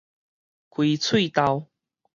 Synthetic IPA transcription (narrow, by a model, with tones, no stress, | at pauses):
kwi˧t͡sʰwi˥˨t̪a˧w